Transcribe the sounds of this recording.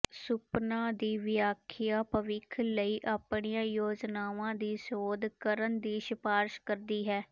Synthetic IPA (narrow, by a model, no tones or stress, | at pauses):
sʊpnãːd̪iːʋɪjaːkʰɪjaːpəʋɪkʰləiːʔaːpɳɪjãːjoːd͡ʒnaːʋãːd̪iːsoːd̪kəɾənd̪iːʃɪpaːɾʃkəɾd̪iːɦɛː